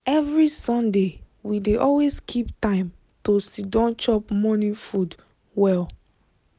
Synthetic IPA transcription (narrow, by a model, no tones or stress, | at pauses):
ɛvɹisɔ̃nde | wideʔɔlweskʰiptãɪ̃m | tosidɔ̃nt͡ʃɔp̚mɔ̃nĩfud | wɛl